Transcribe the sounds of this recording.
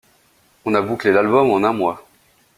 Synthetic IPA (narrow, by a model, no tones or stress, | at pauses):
ɔ̃nabuklelalbɔmɑ̃nɛ̃mwa